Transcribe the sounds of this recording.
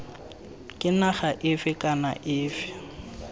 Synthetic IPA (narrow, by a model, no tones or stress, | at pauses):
kʼɪnaχaʔɪfɪkʼanaʔɪːfɪ̥